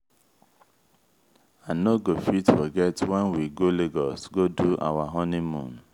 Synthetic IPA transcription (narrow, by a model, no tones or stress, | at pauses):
anoɡofitfɔɡɛtwɛ̃nwiɡoleɡɔsɡodua̰waɦɔnimṵ̃n